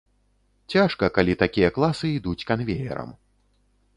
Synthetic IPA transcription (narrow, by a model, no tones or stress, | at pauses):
t͡sʲaʂkɐkalʲit̪akʲijɐklˠasɨid̪ut͡sʲkanvʲejɛ̰ɾɐ̰m